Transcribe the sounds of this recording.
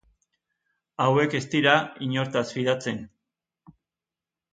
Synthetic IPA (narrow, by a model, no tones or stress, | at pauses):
awe̞ke̞st̪iɾaiɲo̞ɾt̪asβiðat͡se̞n